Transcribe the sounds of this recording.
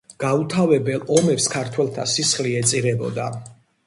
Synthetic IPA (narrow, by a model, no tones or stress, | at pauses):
ɡ̥aut̪ʰavɛbɛlˠɔmɛpskʰaɾt̪ʰwɛlˠt̪ʰa̰sisχliɛt̪sʼiʁɛbɔ̰d̪a